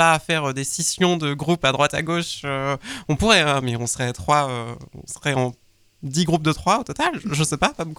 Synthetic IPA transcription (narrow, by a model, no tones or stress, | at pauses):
afɛʁød̪esisjɔ̃d̪əɡʁupad̪ʁwat̪a̰ɡoʃøɔ̃puʁɛɛ̃mɛɔ̃sχɛt̪χwaøɔ̰̃sʁɛɑ̃ | d̪iɡʁup̚d̪ət̪χwaot̪ɔt̪alʒəsɛpakɔmk